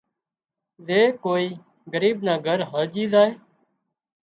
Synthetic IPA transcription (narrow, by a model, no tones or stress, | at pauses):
zeːkoːiː | ɡəɾiːbnaːɡʱəɾɦəld͡ʒiːzaːeː